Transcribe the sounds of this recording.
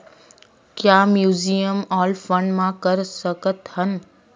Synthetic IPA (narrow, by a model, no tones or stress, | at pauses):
kjaːmjuːzijəmɔːlfəɳɖmãkɐɾsɐkət̪hən